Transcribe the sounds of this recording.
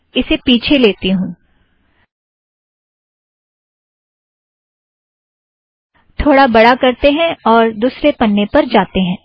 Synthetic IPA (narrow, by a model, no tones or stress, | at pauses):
ɪsepiːt͡ʃʰeleːt̪iɦũː | t̪ʰoːɽabɐɽakɐɾt̪eɦɛ̃ɔːɾd̪uːsɾepɐnːepɐɾd͡ʒaːt̪eɦɛ̃ː